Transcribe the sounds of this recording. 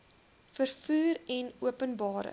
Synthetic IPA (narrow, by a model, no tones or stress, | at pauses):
fərfuːɾɛnuəpənbɑːɾə̰